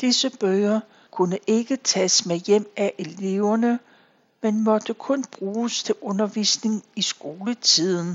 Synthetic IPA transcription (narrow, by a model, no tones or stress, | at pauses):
d̥isəb̥œːɐ | kʰunəʔe̝ɡ̥ət͡sʰɛsmejem̰æʔe̝le̝ʊɐnə | menmɒ̽d̥əkʰɔ̽nb̥ʁuːst͡sʰe̝lɔ̽nɐʋḭsne̝ŋisɡ̥o̝ːlət͡sʰið̰ˠn̩